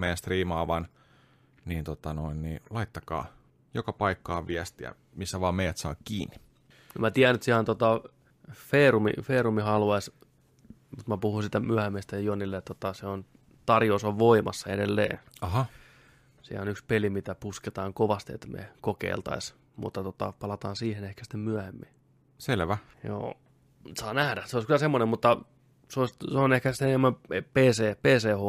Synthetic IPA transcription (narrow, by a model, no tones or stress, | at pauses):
mejæst̪riːmɑːʋɑn | niːnt̪ot̪ɑnoinniːlɑit̪ːɑkɑ̰ː | jokɑpɑikːɑːʋiæst̪iæ̰ | misːæʋɑːmeijæt̪sɑ̰ːkkiːnːi̥ | ymæt̪iæænːyt̪siænt̪ot̪ɑ | feːrumḭfeːrumihɑlʋɑis | mut̪mæpuhunsiːt̪æmyæhæmiest̪æjɑjonilːet̪t̪ot̪ɑseon | t̪ɑrjoːsoʋʋoimɑ̰sːɑedelːḛːɑɦɑ | sḭæ̰onykspelimit̪æpusket̪ɑːŋkoʋɑst̪iḛt̪ːmḛkokḛilt̪ɑ̰is | mṵt̪ːɑt̪ot̪ɑ̰pɑlɑt̪ɑːnsiːhenehkæsi̥t̪ːemmyæhemːḭ | selʋæ | jo̰ː | sɑːnæhdæseoˑiskylæsemːonemmut̪ːɑ | seoisseonehkæsit̪ːenemːæmepeːseːpeːseːho